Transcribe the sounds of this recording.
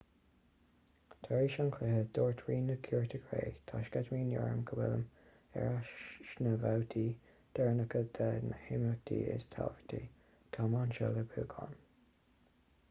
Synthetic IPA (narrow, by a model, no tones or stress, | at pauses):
t̪ʰaɹiːʃaŋkʰlɪhəd̪̥oːɹtʰɹiːnəkʰjuːɹtʰəɡɹḛːt̪ʰaʃɡadmiːnjɔɹə̰mɡʰəwɪlə̰m | ɛ̰ɹaʃnəvawtʰiː | d̪̥ɛɹnəkəd̪̥ɛnəhɪmək̚t̪ʰḭːɪ̰st̪ʰa̰lvə̥tʰi | t̪ʰɑmɑnʃɛləbuːɡʰɑ̰n